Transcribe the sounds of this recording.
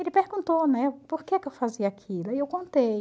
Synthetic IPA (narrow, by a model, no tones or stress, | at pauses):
elɪpeɾɡũnt̪onɛpoɾkekewfaziɐakʰilɐiewkõnt̪ej